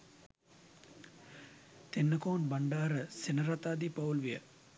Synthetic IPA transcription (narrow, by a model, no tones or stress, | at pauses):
t̪enːəkoːnbaɳɖaːɾəsenəɾat̪aːd̪ipɐulʋijə